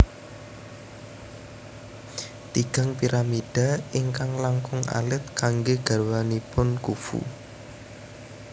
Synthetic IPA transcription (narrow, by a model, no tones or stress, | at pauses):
t̪iɡ̥a̤ŋpiɾamid̥aɪŋkaŋlaŋkʊŋa̰lɪt̪̚kaŋɡeɡ̥a̤rwanipʊnkufṵ